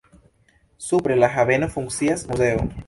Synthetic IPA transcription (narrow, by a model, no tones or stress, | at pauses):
supɾelaxaβenofuŋsiasmuseo̰